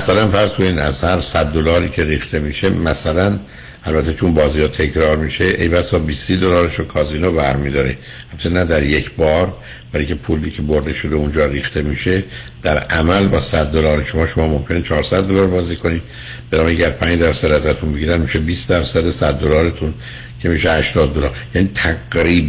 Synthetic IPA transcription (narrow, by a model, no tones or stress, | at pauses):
æsælænfæɾzkʰoniːd̪æ̰z̥hæɾsæd̪ːo̞lɒːɾiːcʰe̞ɾiːxt̪ʰe̞miːʃe̞mæsælæn | ʔælbæt̪ʰe̞t͡ʃʰonbɒːziːhɒːt̪ʰe̞cʰɾɒːɾmiːʃe̞ʔejbæsɒːbiːsːiːd̪o̞lɒːɾeʃokʰɒːziːnobæɾmiːd̪ɒːɾe | ælt̪ʰːenæd̪æɾjecʰbɒːɾ | væliŋcʰepʰuːlːiːcʰeboɾd̪e̞ʃo̞d̪eund͡ʒɒːɾiːxt̪ʰe̞miːʃe̞ | d̪̥æɾʔæmælbɒːsæd̪ːo̞lɒːɾeʃo̞mɒːʃo̞mɒːmo̞mcʰe̞net͡ʃʰɒːɾsæd̪̚ːo̞lɒːɾbɒːziːkʰo̞nid̪ | b̥enɒːbɟæɾpʰæːɲd͡ʒd̪æɾsæd̪æzæt̪ʰunbeɟiːɾænmiʃebiːsd̪æɾsæd̪esæd̪ːo̞lɒːɾet̪ʰun | cʰe̞miʃehæʃt̪ɒːd̪̚ːo̞lɒːɾjæniːt̪ʰæɡɾiː